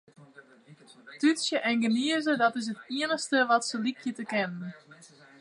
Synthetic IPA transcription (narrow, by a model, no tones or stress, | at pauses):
tysjəʔɛnɡəniəzədɔtɪs̬ɦətiənəxstəʋɔtsəlikʰjətəkɛnən